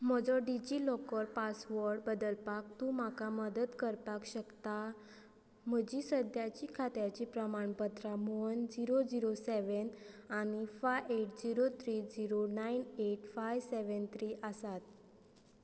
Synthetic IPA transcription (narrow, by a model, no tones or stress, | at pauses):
m̤ɔd͡zɔɖid͡ʑilɔkɔɾpasʋəɾɖbəd̪əlpak̚t̪ũm̤akaməd̪ət̪kəɾt̪akɕəkt̪a | m̤əd͡ʑisəd̪jat͡ɕikʰat̪jat͡ɕipɾəmaɳbət̪ɾamoənd͡ziɾod͡ziɾoseʋən | añifajeʈd͡ziɾot̪ʰɾiːd͡ziɾonaineʈfajseʋənt̪ʰɾiʔəsat̪